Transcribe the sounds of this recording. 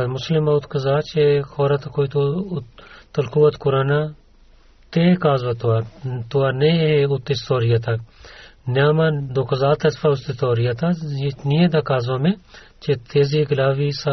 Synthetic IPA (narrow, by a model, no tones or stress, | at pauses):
mʊslɪmaʊt̪kɐzaːt͡ʃexoːɾɐt̪akoit̪o | t̪ɐlkuʋɐt̪kʊɾaːna | t̪ekaːzʋat̪uat̪uaːnẽeʊt̪ːest̪oːɾɪjat̪a | naːmad̪okɐzaːt̪ɐsfaʊst̪et̪oːɾɪjat̪ajenijed̪akaːzʋamẽ | t͡ʃet̪ʰeːziɡɪlaːʋisa